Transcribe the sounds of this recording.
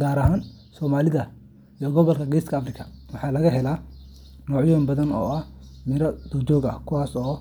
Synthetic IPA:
ɡaːɾɐɦaːn | sɔːmaːlɪðɐ | ijɔɡɔβɐlkʰɐɡɛjskʰɐːfrɪkʰɐ̥wɑħɑːlɐɣɐɦɛla | nɔːʕjɔːmbɐðɐnɔ̰ːɐhmɪɾɐd̪ɔd͡ʒɔːɡɐ̰kʰʊwaːsɔː

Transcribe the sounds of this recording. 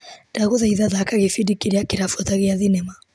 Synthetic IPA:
d̥aɣuðaiðaðakaɣifidikiɾiakiɾafɔðaɣiaðinɛma

